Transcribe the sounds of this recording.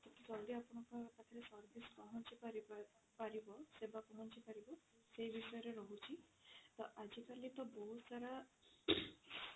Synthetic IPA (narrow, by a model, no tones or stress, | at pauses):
t̪ɔt̪it͡ʃɔliapɔɽ̃ɔkɔt̪at̪ʰiɾesɔɾbiskɔɦɔnt͡ʃipaɾi | paɾibɔsebakɔɦɔnt͡ʃipaɾibɔ | sejbisɔjɔɾeɾɔɦut͡ʃʰit̪ɔʔad͡ʒikalit̪ɔbɔɦut̪saɾa